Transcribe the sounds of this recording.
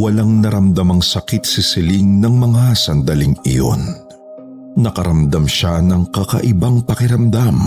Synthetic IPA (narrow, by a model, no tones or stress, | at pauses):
wɐlaŋnɐɾɐmd̪ɐmɐŋsɐkit̪̚sɪsɪliŋnɐŋmɐŋasɐnd̪ɐliŋɪ̰jo̰n | ɐkɐɾɐmd̪ɐmʃanɐŋkɐkɐ̰ʔɪbaŋpɐkɪɾɐmd̪am